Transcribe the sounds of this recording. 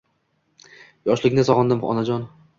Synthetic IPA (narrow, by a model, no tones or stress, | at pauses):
jɒʃlˠɪɡʲnɪsɒʁɒnd̪ɪmɒ̰nad͡ʒɒn